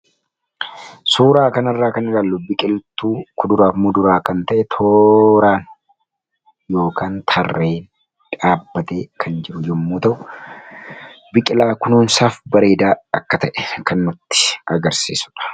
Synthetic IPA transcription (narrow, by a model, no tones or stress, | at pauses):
suːɾaːkɐnɐrːaːkɐnɪɡaːlːʊbɪkʼɪlt̪ːuːkʊd̪ʊɾaːfmʊd̪ʊɾaːkɐnt̪ɐʔɛt̪ʰoːɾaːn | jo̞ːkaːnt̪ʰɐrːe̞ːn | ᶑaːbːɐt̪e̞ːkʰɐnd͡ʒɪɾʊd͡ʒɛmːuːt̪ɐʔʊ | bɪkʼɪlaːkʊnuːnsaːfbɐɾeːd̪aːɐkːɐt̪ɐʔɛ̥kɐnːʊt̪ːɪ̥ɐɡɐɾsḭːsʊ̥ᶑɐ̥